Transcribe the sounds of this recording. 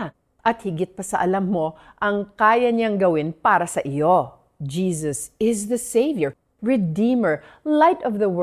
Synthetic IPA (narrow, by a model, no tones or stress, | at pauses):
ʔɐt̪hɪɡɪt̪̚pɐsɐʔɐlɐmːo̞ | ʔɐŋkaːjɐɲaŋɡɐwɪnpaːɾɐsɐʔɪjo | d͡ʒiːsɐsɪzðɐsejvjɛɹ | ɹɛd̪iːmɛɹ | lajt̪ɔvðɐw